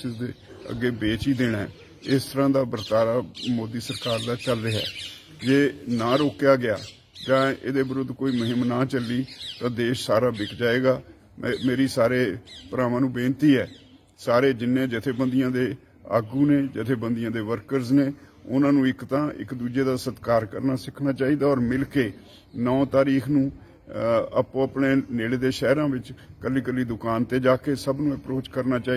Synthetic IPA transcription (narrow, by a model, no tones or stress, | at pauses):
ɪsd̪eːə̰ɡːeːbeːt͡ʃiːd̪eːɽɛ̰ː | ɪst̪əɾãːd̪aːbəɾt̪aːɾaːmoːd̪iːsəɾkaːɾd̪aːt͡ʃəlːeːɦɛ̰ː | d͡ʒeːnãːɾoːkjaːɡɪjaː | d͡ʒãːḛːd̪eːbəɾʊd̪koːiːməɦɪmnaːt͡ʃəlːiːt̪ãːd̪eːʃsaːɾaːbɪkʰd͡ʒaːeːɡaː | meːɾiːsaːɾeːpɾãːʋãːnũːbẽːnt̪iːɦɛ̰ː | saːɾeːd͡ʒɪnːẽːd͡ʒɪt̪ʰeːbənd̪ɪjãːd̪eː | a̰ːɡuːneːd͡ʒɪt̪ʰeːbənd̪ɪjãːd̪eːʋəɾkəɾzneːʊ̰nãːnũːɪkt̪ãːʔɪ̰kd̪uːd͡ʒeːd̪aːsət̪kaːɾkə̰ɾnaːsɪkʰnaːt͡ʃaːiːd̪aːɔːɾmɪlkeː | nɔ̃ːt̪aːɾiːkʰnũː | əpːəpneːneːleːd̪eːʃɛːɾãːʋɪt͡ʃkəlːiːkəliːd̪ʊkaːnt̪eːd͡ʒaːkeːsəbnũːəpɾoːt͡ʃkəɾnaːt͡ʃaːi